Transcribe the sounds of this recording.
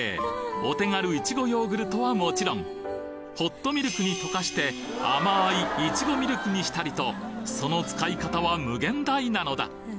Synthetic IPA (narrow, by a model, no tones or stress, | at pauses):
eo̞t̪e̞ŋaɾɯ̟it͡ɕiɡo̞jo̞ːɡɯ̟ɾɯ̟t̪o̞βamo̞t͡ɕiɾõ̞ŋ | ho̞t̪ːo̞mʲiɾɯkɯɲ̟it̪o̞kaɕi̥t̪e̞ | a̰maiːt͡ɕiɡo̞mʲiɾɯ̟kɯ̟ɲ̟iɕi̥t̪aɾʲit̪o̞so̞no̞t͡sɨ̥kaikat̪aβamɯ̟ɡẽ̞nd̪ainano̞d̪a̰